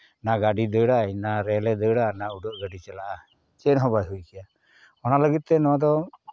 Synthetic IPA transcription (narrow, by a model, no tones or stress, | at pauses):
naɡaɖid̪əɽajnaɾɛlɛd̪əɽanauɖɔʔɡaɖit͡ʃɛlaʔa | t͡ʃɛnɦɔbajɦujkija | ɔnaləɡit̪̚ːɛnɔad̪ɔ